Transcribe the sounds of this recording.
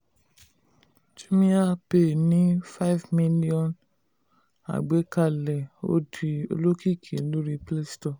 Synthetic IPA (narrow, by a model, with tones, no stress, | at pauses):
d͡ʒu˦mĩ˦a˦˨pe˦˨nĩ˦fa˦i˦vmĩ˦li˦ɔ̃˨n | a̰˨ɡ͡be˨˦ka˦˧˨lɛ˨o̰˦di˧o̰˧lo˦ki˦˨kʰĩ˨˦lu˦ɾi˧ple˦stɔ˦˨